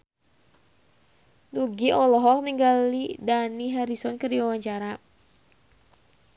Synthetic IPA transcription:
nuɡiʔɔlɔɦɔk̚niŋɡalidaniɦaɾisɔnkərdiwawaɲt͡ʃaɾa

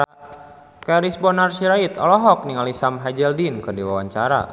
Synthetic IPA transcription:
kaɾisbɔnarsiɾait̪ɔ̰lɔɦɔk̚niŋalisamɦad͡ʒɛldinkɨrdiwawaɲt͡ʃaɾa̰

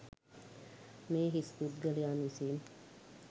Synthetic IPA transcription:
meːɦist̪ud̪ɡəlejaːnʋisiːm

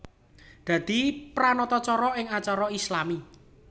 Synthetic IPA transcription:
d̪̥ä̤d̪̥i̤pɾanɔt̪ɔt͡ʃɔɾɔɪŋat͡ʃaɾɔislami

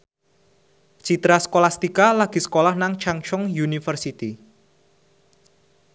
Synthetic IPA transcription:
t͡ʃit̪ɾasə̥kolast̪ikalaɡ̥i̤sə̥kolahnaŋt͡ʃaŋt͡ʃɔŋjunifərsit̪i

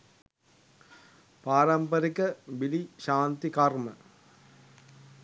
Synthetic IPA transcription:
paːɾɐmpəɾikəbiliʃaːnt̪ikarmə

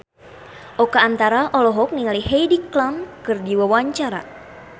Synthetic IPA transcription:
ʔɔkaːnt̪aɾaʔɔlɔɦɔk̚niŋaliɦejdiklamkɨrdiwawaɲt͡ʃaɾa̰

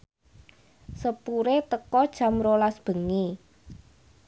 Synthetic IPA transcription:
səpuɾet̪əkɔd̥ʒ̥a̤mɾolasb̥ə̤ŋi

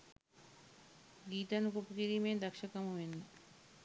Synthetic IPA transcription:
ɡit̪anukopkiɾimed̪akʃakamomen

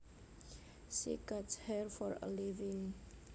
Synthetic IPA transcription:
sḭkatshɛrfɔɾə̰liviŋ

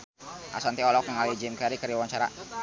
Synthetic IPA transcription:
ʔa̰sant̪iɔlɔkjaŋalid͡ʒɛmkaɾikaɾjawaɲt͡ʃaɾa̰

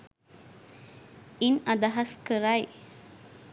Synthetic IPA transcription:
inad̪aɦɐskəɾaj

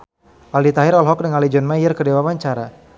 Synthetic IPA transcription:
ʔaldit̪aɦiɾɔlɦɔk̚dəŋalid͡ʒɔnmajərkədewapaɲt͡ʃaɾa

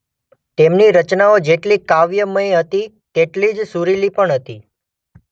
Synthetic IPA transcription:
t̪emniɾət͡ʃnaod͡ʒeʈlikaʋjəməjɦət̪i | t̪eʈlid͡ʒsuɾilipəɳɦət̪i

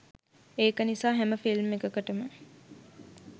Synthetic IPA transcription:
eːkənisaːɦæməfilmekəkəʈəmə

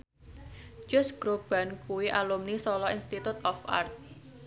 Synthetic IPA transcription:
d͡ʒɔsɡ̥ɾob̥a̤nkuwiʔalumnisɔlɔinst̪it̪ut̪ɔfa̰rt̪̚

